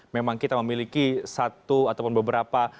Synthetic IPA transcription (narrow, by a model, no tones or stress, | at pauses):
memaŋkit̪aməmilikisat̪uat̪awpʊnbəbəɾapa